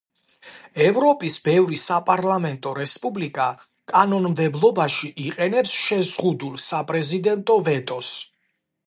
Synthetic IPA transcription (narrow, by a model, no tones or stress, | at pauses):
ɛvɾɔpʼisbɛvɾisapʼaɾlamɛnt̪ʼɔɾɛspʼublikʼa | kʼanɔnmd̪ɛblˠɔbaʃiʔiqʼɛnɛpsʃɛzʁud̪ulˠsapʼɾɛzid̪ɛnt̪ʼɔvɛt̪ʼɔs